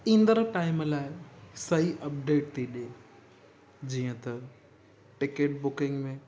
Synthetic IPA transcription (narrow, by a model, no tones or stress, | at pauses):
ĩːnd̪əɾʈaːɪmlaːɪsɐiʔɐp̚ɖeːʈt̪ʰiɗe | d͡ʑiːə̃t̪ɐ | ʈɪkeːʈ̚bʊkɪ̃ŋɡmẽ